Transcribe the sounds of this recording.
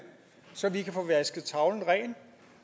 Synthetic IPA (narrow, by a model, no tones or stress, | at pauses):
sɒ̽ʋikʰæfɔʋæsɡ̥ð̩ˠt͡sʰɑ̈ʊln̩ʁɛ̰ːn